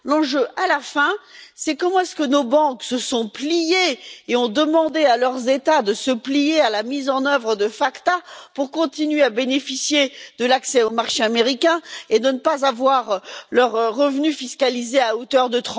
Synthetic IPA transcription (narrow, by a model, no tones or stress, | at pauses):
lɑ̃ʒøʔalafɛ̃sɛkɔmɑ̃ɛskənobɑ̃ksəsɔ̃plijeːɔ̃d̪əmɑ̃d̪ealœʁzet̪ad̪əsəplijealamizɑ̃nœvʁəd̪əfakt̪apuʁkɔ̃t̪inɥeabenefisjed̪əlaksɛomaʁʃeameʁikʲɛ̃ed̪ənəpazavwaʁlœʁʁːəvnyfiskalizeaot̪œʁd̪ət̪χɑ̃